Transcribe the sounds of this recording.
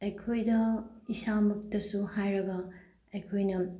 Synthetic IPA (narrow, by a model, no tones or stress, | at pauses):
ɐjkʰojdɐisamɐk̚tɐsuhajɾɐɡɐ | ɐjkʰojnɐ